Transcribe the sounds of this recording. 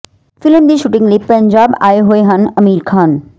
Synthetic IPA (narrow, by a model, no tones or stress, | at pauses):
fɪlmd̪iːʃuʈɪ̃ŋɡlipɐɲd͡ʑaːba̰ːeɦoeɦɐnɐmiːɾkʰaːn